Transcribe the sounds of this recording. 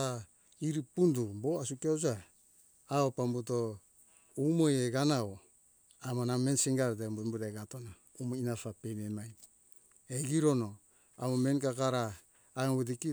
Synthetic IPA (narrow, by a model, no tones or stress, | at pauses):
a | iɾipundubo̞asukiaza | aopambuto̞ | umojeɡanao | amanamensiŋɡaɾdembumbuɾaɡatona | umoinafapememaj | eɡiɾo̞no̞ | amomenkakaɾaː | βediki